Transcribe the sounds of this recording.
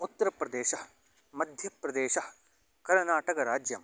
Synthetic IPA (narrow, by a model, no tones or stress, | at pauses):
ut̪ːɐɾɐpɾɐd̪eːʃɐ | mɐd̪ʱjɐpɾɐd̪eːʃɐ | kɐɾnaːʈɐkɐɾaːd͡ʒjɐm